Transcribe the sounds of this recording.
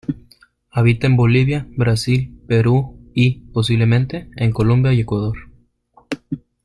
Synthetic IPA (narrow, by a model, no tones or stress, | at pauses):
aβ̞it̪aembo̞liβjabɾasilpe̞ɾuipo̞s̬iβle̞mẽ̞nt̪e̞eŋko̞lombjaje̞kwað̞o̞ɾ